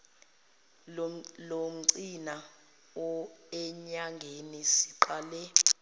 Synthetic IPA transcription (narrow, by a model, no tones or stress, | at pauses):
lom̩ǀina | ɔɛɲaŋɡʱenisi̥ǃaːlɛ